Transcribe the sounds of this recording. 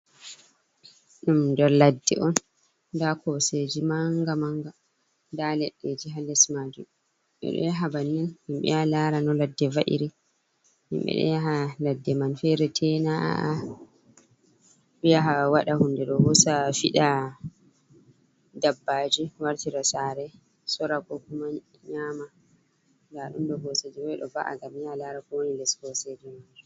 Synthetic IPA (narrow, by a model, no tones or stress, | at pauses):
ɗumdɛɾladːɛ̰ʔɔn | dakʰɔsed͡ʒimaŋɡamaŋɡa | dalɛɗːed͡ʒiɦalɛsmad͡ʒu | ɓɛ̰ɗɔ̰jaɦabanːinhimɓɛ̰halaɾanɔladːɛvaʔḭɾi | hḭmɓɛ̰ɗɔ̰jaɦaladːɛmanfɛɾɛtʰɛnaʔa̰ʔa | ɓijaɦawaɗahundɛɗɔhɔsafiɗa | dabːad͡ʒiwaɾtiɾasaɾɛ | sɔɾaɡɔkuma | ɲaːma | ndaɗṵnɗɔhɔsed͡ʒɛbɔɛɗɔ̰baʔa̰ɡamjalaɾafɔwnilɛshɔsed͡ʒimad͡ʒ